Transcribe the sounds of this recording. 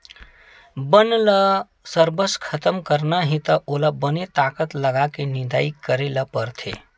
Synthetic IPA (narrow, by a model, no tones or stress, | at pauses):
bənlə | səɾbəskʰət̪əmkəɾnaɦĩt̪əʔolabənet̪aːkət̪lɐɡakenɪ̃nd̪aːikəɾeləpəɾt̪ʰḛ